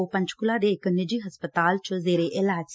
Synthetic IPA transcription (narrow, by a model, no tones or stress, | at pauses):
opə̃ɲt͡ʃkʊlãːd̪eːɪknɪd͡ʒiːɦəspət̪aːlt͡ʃəzeːɾeːʔɪlaːd͡ʒ